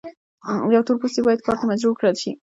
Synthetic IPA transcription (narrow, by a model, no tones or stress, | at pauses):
jawt̪oɾpust̪ibɑjad̪̚kʰɑɾt̪amad͡ʒɾubkɽalʃi